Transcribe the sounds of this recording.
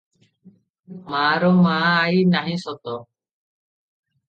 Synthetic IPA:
maːɾomaːajinaɦĩsɔt̪ɔ

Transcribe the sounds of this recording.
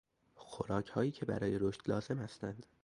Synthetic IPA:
xoɾɒːcʰhɒːjiːcʰe̞bæ̰ɾɒːje̞ɾoʃt̪lɒːze̞mhæst̪ænd̪̥

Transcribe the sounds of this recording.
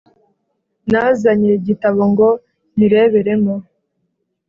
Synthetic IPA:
nazaɲeɟitaβoŋɡo̞ | niɾe̞ːβe̞ɾe̞mo

